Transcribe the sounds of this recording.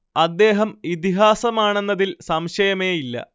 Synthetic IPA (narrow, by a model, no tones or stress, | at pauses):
ɐd̪ːe̞ːɦɐmit̪̬iɦaːsɐmaːɳenːɐðilsɐmɕɐjɐme̞ːilːɐ̰